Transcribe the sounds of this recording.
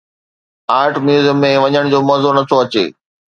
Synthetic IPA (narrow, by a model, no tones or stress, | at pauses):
aːɾʈmjuːzəmːẽʋɐɲəɽ̃d͡ʑoːmɐːzonɐt̪ʰoɐt͡ɕḛː